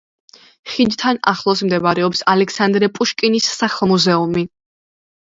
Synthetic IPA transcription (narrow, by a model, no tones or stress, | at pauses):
χid͡ʒ̪t̪ʰana̰χlˠɔs̬md̪ɛbaɾɛɔpsalɛksand̪ɾɛpʼuʃkʼinisːaχmuzɛumi